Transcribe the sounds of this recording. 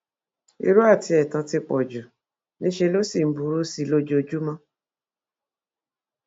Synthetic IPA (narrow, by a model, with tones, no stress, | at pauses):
ḭ˧ɾu˦a˦˨ti˧ɛ˨tã˧˦ti˧k͡pɔ˨d͡ʒu˨ | nĩ˦ʃe˧lo˦si˦˨m̩˨˦bu˧˦ɾu˦si˦lo˦d͡ʒo˧d͡ʒu˦mã˦